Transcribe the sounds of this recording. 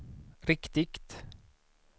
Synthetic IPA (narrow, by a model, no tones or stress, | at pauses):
ɾɪkt̪ɪkt̪